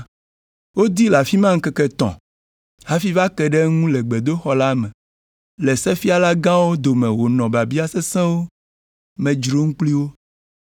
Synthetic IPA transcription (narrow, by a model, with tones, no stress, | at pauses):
wo˦d̪i˦la˨fi˦mã˦ŋ̩˦kɛ˦kɛ˦t̪ɔ̰̃˨ | ha˦fi˦va˦kɛ˨ɖɛ˦ŋũ˦lɛ˨ɡ͡bɛ˨d̪o˦xɔ˦la˦mɛ̃˨ | lɛ˨sɛ˦fi˦a˨la˦ɡã˦wo˦d̪o˨mɛ̃˨wo˨nɔ̃˨ba˨bi˦a˦sɛ˦sɛ̃˦wo˦ | mɛ̃˨d͡ʒɾo˦ŋũ˦k͡pli˦wo˦